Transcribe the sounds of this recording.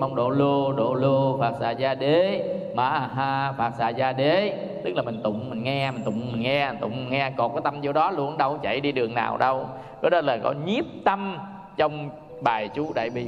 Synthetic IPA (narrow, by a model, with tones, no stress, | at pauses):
mə˧wŋ͡mɗo̰˧˨lu˧əɗo̰˧˨lu˧əfaː˨˩k̚sa̰ː˧˩zaː˧ɗe˨˦ma̰ː˧˩ʔɦaː˧faː˨˩k̚sa̰ː˧˩zaː˧ɗe˨˦ | t̪ɨ˦˥k̚laː˨˩mï˨˩ŋ̟t̪ʊ̰˧˨ŋ͡mmï˨˩ŋ̟ŋɛ˧mi˨˩ŋ̟t̪ʊ̰˧˨ŋ͡mmï˨˩ŋ̟ŋɛ˧˨˩t̪ʊ̰˧˨ŋ͡mŋɛ˧kɔ˨˩kɔː˨˦t̪a˧mzo˧ɗɔ˨˦lu˧˩ənɗə˧˩wt͡ɕa̰˧˩jɗi˧ɗɨ˨˩əŋna̰ː˨˩wɗə˧w | kə˨˦ɗɔ˨˧˦ləː˨˩kɔ̰˨˦ɲi˦˥əp̚t̪ə˧m | t͡ɕə˧wŋ͡m | ɓaː˨˩jt͡ɕu˨˦ɗa̰ː˧˨jɓḭ˧˨